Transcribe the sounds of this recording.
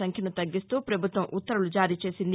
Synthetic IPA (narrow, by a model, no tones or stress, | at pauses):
ɐŋkʰjɐnut̪ɐɡːist̪uːpɾɐbʱut̪ʋɐmʔut̪ːɐɾulud͡ʒaːɾiːt͡ʃe̞ːsind̪